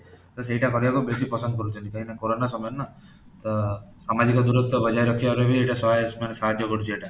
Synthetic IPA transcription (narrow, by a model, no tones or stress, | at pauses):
t̪ɔseɦiʈakɔɾibakubesipɔsɔnd̪ɔkɔɾut͡ʃʰɔnt̪ikaɦinakoɾonasɔmɔjɔnːa | t̪ɔsamad͡ʒikɔd̪uɾut̪ːɔbɔd͡ʒajɾɔkʰiaɾebieʈasɔajsmanesaɦad͡ʒjɔkɔɽut͡ʃʰieʈa